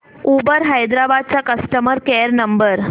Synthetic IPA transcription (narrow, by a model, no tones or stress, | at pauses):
ubəɾɦajd̪ɾabad̪̚t͡ɕakəsʈəməɾkɛɾnəmbəɾ